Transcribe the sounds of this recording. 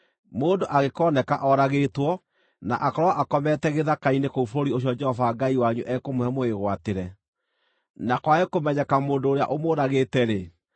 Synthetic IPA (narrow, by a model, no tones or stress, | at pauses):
moːndoʔaɣekɔːnɛka̰ʔɔɾaɣetwɔ | na̰ʔakɔɾɔaʔakɔmɛtɛɣeðakainekoufoɾoɾioɕ̬iɔd͡ʒɛhɔvaːɡaiwaɲuʔɛkomoɛmoeɣwateɾɛ | nakwaekomɛɲɛkamoːndoːɾea̰ʔomoːɾaɣeːtɛɾe